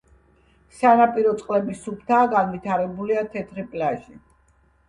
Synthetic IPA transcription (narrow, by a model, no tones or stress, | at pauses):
sanapʼiɾɔt̪sʼqʼlɛbisupʰt̪ʰaːɡanvit̪ʰaɾɛbuliat̪ʰɛt̪ʰɾipʼlaʒi